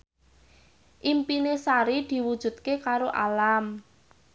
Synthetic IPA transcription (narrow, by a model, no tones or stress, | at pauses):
ʔimpinesaɾid̪̥i̤wud̥ʒ̥ṳd̪̚kekaɾoʔalam